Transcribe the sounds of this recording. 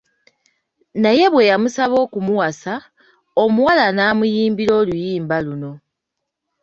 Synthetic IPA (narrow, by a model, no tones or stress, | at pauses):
naje̞βwe̞jamusaβo̞ːkumuwasa | omuwalanaːmujiːmbiɾo̞ːlujiːmbaluno̞